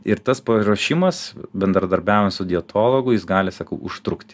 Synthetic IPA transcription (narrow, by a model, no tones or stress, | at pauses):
ɪɾt̪ɐspɐɾoːʃʲɪmɐsbʲɛnd̪ɾɐd̪ɐɾʲbʲæːʊʋʲɛnt̪sʊd̪ʲɪɛt̪ʰoːlˠoɡʊjɪsɡɑːlʲɪsɐkɐʊʊʃt̪ɾʊkt̪ʲɪ